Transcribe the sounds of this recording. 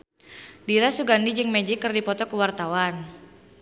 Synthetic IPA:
diɾasuɡandid͡ʒɨŋmed͡ʒikərdipɔt̪ɔkəwart̪awan

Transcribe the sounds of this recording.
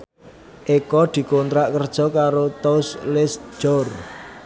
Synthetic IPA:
ʔekɔd̪̥i̤kont̪ɾaʔkərd̥ʒ̥ɔ̤kaɾot̪oslɪsʒ̥ɔr

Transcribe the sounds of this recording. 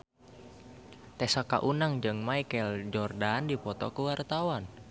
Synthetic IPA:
t̪ɛsaka̰ʔunaŋd͡ʒɨŋmaikɛld͡ʒɔrdandipɔt̪ɔ̰kuwart̪awan

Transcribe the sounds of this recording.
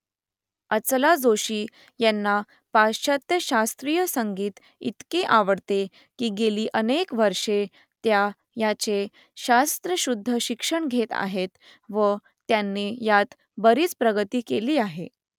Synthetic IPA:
ət͡slad͡zoɕiː | jɛnːa | paɕət̪jəɕast̪ɾijəsəŋɡiːt̪ | ḭt̪keʔaʋəɽt̪e | kiːɡeliːʔənekʋəɾʂe | t̪ja | jat͡se | ɕast̪ɾəɕud̪ʱːəɕikʂəɳɡʱet̪a̰ɦet̪ | ʋə | t̪janːijat̪ | bəɾiːt͡spɾəɡət̪iːkeliːaɦe

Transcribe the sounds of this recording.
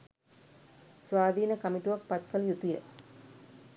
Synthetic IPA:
sʋaːd̪iːnəkɐmiʈuʋɐk̚pɐt̪kɐljut̪ujə

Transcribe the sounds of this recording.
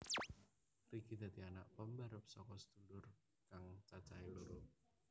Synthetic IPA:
riɡid̪̥a̤t̪ianaʔpəmbaɾəp̚sɔkɔsə̥d̪ṳlʊr | kaŋt͡ʃḁt͡ʃailuɾʊ

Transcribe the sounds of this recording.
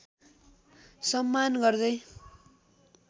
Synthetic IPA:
sʌmːanɡʌrd̪ʌj

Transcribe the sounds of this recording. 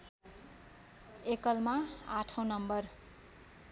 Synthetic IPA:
ekʌlmaaʈʰʌw̃nʌmbʌr

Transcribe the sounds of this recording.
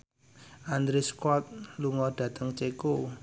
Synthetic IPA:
ʔand̪ɾeskɔt̪̚luŋɔd̥ä̤t̪ʰəŋt͡ʃeko

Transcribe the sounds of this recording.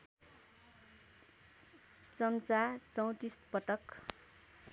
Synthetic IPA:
t͡sʌmt͡sat͡sʌw̃t̪ispʌʈʌk

